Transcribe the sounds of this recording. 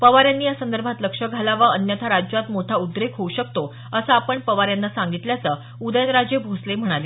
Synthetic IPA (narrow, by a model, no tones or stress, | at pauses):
pəʋaɾjanːiːjasənd̪əɾbʱat̪ləkʂəɡʱalaʋəənjət̪ʰaɾad͡ʑjwat̪moʈʰaud̪ɾekɦouɕəkt̪o | əsəapəɳpəʋaɾjanːasaŋɡit̪ljat͡sə | ud̪əjənɾad͡ʑebʱoslem̤əɽ̃ale